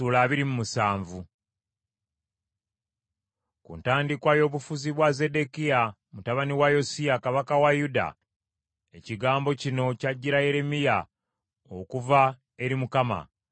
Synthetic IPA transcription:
uːlaːβiɾimumusaːɱvu | kṵːntaːndikwajo̞ːβufuziβwaze̞de̞kija | mutaβaniwajo̞siakaβakawajuda̰ | e̞ciɡaːmbo̞cino̞caɟːiɾaje̞ɾe̞mija | okuva | e̞ɾimukama̰

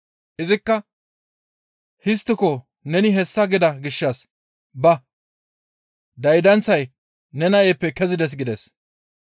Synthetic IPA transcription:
ʔɪzɪkːɐ | hɪst̪ːɪkɔ | nɛnɪɦɛsːɐɡɪd̪ɐɡɪʃːɐs | bɐ | d̪ɐjd̪ɐnt͡sːɐj | nɛnɐʔeːpːɛkɛzɪd̪ɛs̬ɡɪd̪ɛs

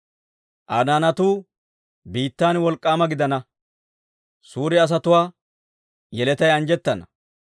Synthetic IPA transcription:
ʔɐnaːnɐt̪uː | biːt̪ːaːnwɔlkʼːaːmɐɡɪd̪ɐnɐ | suːɾɪɐs̬ɐt̪ʊwaː | jɛlɛt̪ɐjɐnd͡ʒɛt̪ːɐnɐ

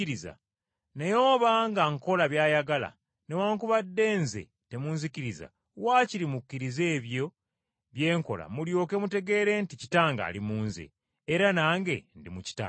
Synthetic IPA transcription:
iɾiza̰ | nejoːβaːŋɡaŋko̞laβjaːjaɡala̰ | ne̞waːŋkuβadːe̞ːnzḛ | te̞muːnzikiɾiza̰ | waːciɾimukːiɾize̞ːβjo̞ | βje̞ːŋko̞̰la̰muljo̞ːke̞mute̞ɡe̞ːɾe̞nticitaːŋɡa̰limuːnzḛ | eɾanaːŋɡe̞ndimuci̥ta̰ː

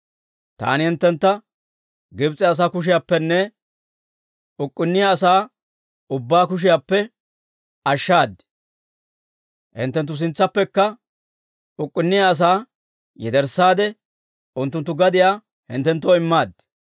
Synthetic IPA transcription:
t̪a̰ːnɪhɪnt̪ːɛnt̪ːɐ | ɡɪbt͡sʼːɛːs̬aːkʊʃ̬ɪjapːɛnːɛ | ʊkʼːɪnːɪjaːs̬aː | ʊbːaːkʊʃ̬ɪjapːɛ | ɐʃːaːd̪ɪ | hɪ̰nt̪ːɛnt̪ːʊs̬ɪnt͡sːɐpːɛkːɐ | ʊkʼːɪnːɪjaːs̬aː | jɛd̪ɛɾsːaːd̪ɛ | ʊnt̪ːʊnt̪ːʊɡɐd̪ɪjaː | hɪ̰nt̪ːɛnt̪ːoɪmːaːd̪

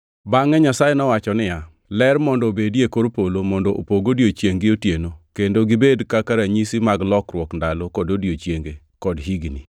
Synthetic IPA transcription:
baŋɛɲasajenɔwat͡ʃɔnɪja | lɛrmɔndɔbedjekoɾpolomɔndɔʔopoɡodjot͡ʃjeŋɡɪotjenokendoɡɪbedkakaɾaɲisimaɡlɔkɾwɔkndalokɔdodjot͡ʃjeŋɡe | kɔdɦiɡni

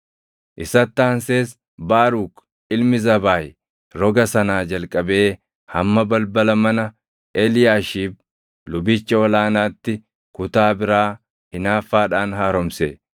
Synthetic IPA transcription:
ʔɪsɐt̪ːaːnseːs | baːɾuːk | ɪlmɪzɐbaːj | ɾɔɡɐsɐnaːd͡ʒɐlkʼːɐbe̞ː | hɐmːɐbɐlbɐlɐmɐnɐ | ʔeːlɪjaːʃiːb̚ | lʊbɪt͡ʃːɐɔlaːnaːt̪ːɪ | kʊt̪aːbɪɾaː | hɪnaːfːaːᶑaːnɦaːɾɔmseː

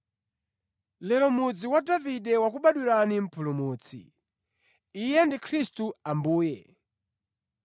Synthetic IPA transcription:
lɛlɔmud͡ziwadaviɗɛwakuɓaɗwiɾanim̩pʰulumuːt͡sʰḭ | ijɛndikʰɾistuambuːjɛ

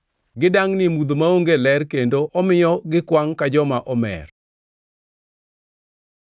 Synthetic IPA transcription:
ɡɪdaŋnɪmud̪omaoŋɡelɛrkendoʔɔmɪjɔɡɪkwaŋkad͡ʒɔmaʔɔmɛ̰r

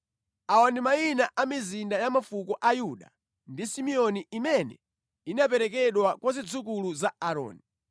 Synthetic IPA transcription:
awandimainaʔamizindajamafukɔʔajuɗa̰ | ndisimiɔniʔimɛnɛ̰ | inapɛɾɛk̬ɛɗwakwazid͡zukuluzaaɾɔ̰ːni

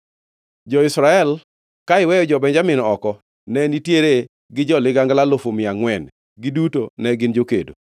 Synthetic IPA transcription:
d͡ʒɔɪsɾaɛl | kaɪwɛjɔd͡ʒɔbɛnd͡ʒamɪnɔkɔ | nɛnitjeɾe | ɡɪd͡ʒɔlɪɡaŋɡlalofomɪaŋwɛn | ɡɪdutonɛɡɪnd͡ʒokḛdo̰

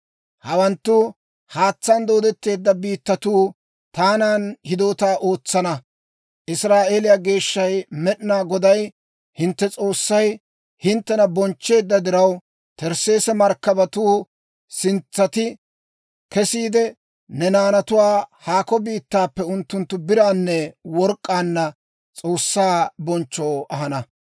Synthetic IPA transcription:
hɐwɐnt̪ːu | haːt͡sːɐnd̪o̞ːd̪ɛt̪ːe̞ːd̪ːɐbiːt̪ːɐt̪uː | t̪aːnaːnhɪd̪o̞ːt̪aːʔo̞ːt͡sːɐnɐ | ʔɪsɾaːʔe̞ːlɪjaːɡe̞ːʃːɐjmɛɗɪnaːɡɔd̪ɐj | hɪnt̪ːɛt͡sʼo̞ːsːɐj | hɪnt̪ːɛnɐbɔnt͡ʃːe̞ːd̪ːɐd̪ɪɾɐw | t̪ɛɾse̞ːsɛmɐɾkːɐbɐt̪uː | sɪnt͡sːɐt̪ɪ | kɛsiːd̪ɛ | nɛnaːnɐt̪ʊwaːhaːkɔbiːt̪ːaːpːɛʊnt̪ːʊnt̪ːʊbɪɾaːnːɛwɔɾkʼːaːnːɐ | t͡sʼoːsːaːbɔnt͡ʃːo̞ːɐhɐnɐ

